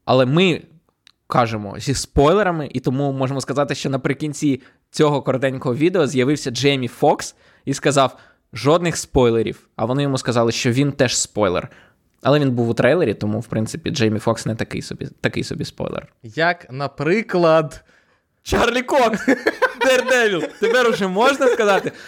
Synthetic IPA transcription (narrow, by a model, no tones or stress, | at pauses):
ɐlˠɛmɪ | kɑʒemɔ̰zʲispɔjlˠeɾɐmɪʔit̪ɔmumɔʒemɔskɐzɑt̪ɪʃt͡ʃɔnɐpɾɪkʲinʲt͡sʲi | t͡sʲɔɦɔkɔɾd̪ɛnʲkɔɦɔʋʲid̪eɔzjɐʋɪwsʲɐd͡ʒɛjmʲifɔks | iskɐzɑw | ʒɔd̪nɪxspɔjlˠeɾʲḭw | ɐʋɔnɪjɔmuskɐzɑlˠɪʃt͡ʃɔʋʲint̪ɛʃspɔjlˠḛr | ɐlˠɛinbuwʊt̪ɾʔɛjlˠeɾʲit̪ɔmuwpɾɪnt̪sɪpʲḭd͡ʒɛjmʲifɔksnɛt̪ɐkɪ̰jsɔ̰bʲḭt̪ɐkɪ̰jsɔ̰bʲḭspɔ̰jlˠḛrjɐknɐpɾɪklˠɐd̪ | t͡ʃɑrlʲikɔkd̪ɛrd̪ɛʋʲilˠt̪epɛɾʊʒɛmɔʒnɐskɐzɑt̪ɪ